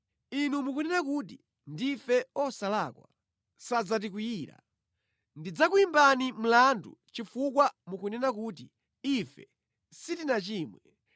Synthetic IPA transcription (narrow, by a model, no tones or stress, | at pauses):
inumukunɛnak̬uti | ndifɛɔsalakwa | sad͡zat̬ikijiːɾa̰ | ndid͡zak̬uimbanim̩landṵt͡ʃifuk̬wamukunɛnakuːt̬i | ifɛ | sitinat͡ʃiːmwɛ